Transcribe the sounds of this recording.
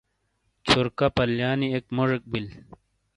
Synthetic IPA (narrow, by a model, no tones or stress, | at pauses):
t͡ɕʰuɾkapɐljaːniekmoʐek̚bil